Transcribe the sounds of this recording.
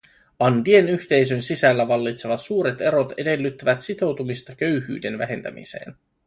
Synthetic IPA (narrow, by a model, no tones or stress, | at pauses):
ɑndie̞nyçt̪e̞js̬ønsisælːæʋɑlːit̪se̞ʋɑt̪suːɾe̞t̪e̞ɾo̞t̪e̞̰de̞lːyt̪ːæʋæt̪sit̪o̞wt̪umist̪ɑk̟ø̞ɥhy̰ːde̞nʋæ̰ɦe̞nt̪æ̰mḭsḛːn